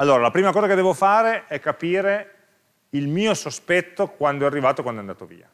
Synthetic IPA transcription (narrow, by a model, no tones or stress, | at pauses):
alːoːɾalapɾiːmakɔːzaked̪ɛːvofaːɾeɛkːapiːɾe | ilmiːosospɛt̪ːokwand̪oɛarːivaːt̪okwand̪oɛand̪aːt̪ovḭːa̰